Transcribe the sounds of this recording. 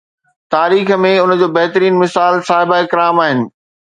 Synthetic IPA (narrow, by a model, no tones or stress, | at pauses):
t̪aːɾiːxmẽʊnəd͡ʑoːbɐɦt̪əɾiːnmɪsaːlsaːɦɪbaːɪkɪɾaːmaːɦɪnɪ̆